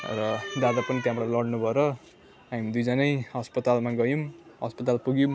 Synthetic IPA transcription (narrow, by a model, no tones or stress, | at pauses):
rʌd̪ad̪apʌnit̪jãmlalʌɽnubʱʌeɾʌ | amid̪ujd͡zʌnʌjɦʌspʌt̪almaɡʌjumɦʌspʌt̪alpuɡjum